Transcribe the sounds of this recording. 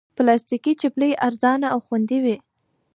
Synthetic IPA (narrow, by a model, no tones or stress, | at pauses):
plɑst̪ikit͡ʃɪpleʔaɾzɑnaawxwand̪iwi